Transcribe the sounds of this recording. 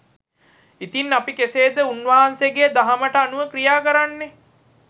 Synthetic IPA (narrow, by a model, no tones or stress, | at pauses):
it̪inapikeseːd̪əunʋaɦanseɡed̪aɦaməʈəanuʋəkrijaːkəɾanːe